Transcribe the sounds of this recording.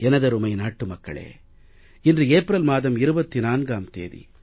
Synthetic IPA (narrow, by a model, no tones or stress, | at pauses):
ɛnɐðɐɾɯmɐɪnaːʈːɯmɐkːɐ̰ɭḛː | ɪndrɯeːpɾɐlmaːðɐmɪɾɯbɐt̪ːinaːnɡaːmt̪ḛːðḭ